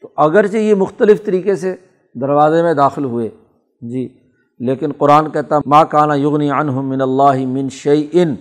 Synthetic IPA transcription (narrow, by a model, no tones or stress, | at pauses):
t̪oʔɐɡəɾt͡ʃejemʊxt̪əlɪft̪ɐɾiːkese | d̪ɐɾʋaːzemẽd̪aːxɪlɦʊeː | d͡ʒiː | leːkɪnqʊɾaːnkɛɦt̪amaːkaːnajʊɣniːʕanɦʊmːɪnɐlːaːɦɪmɪ̃nʃejʔɪn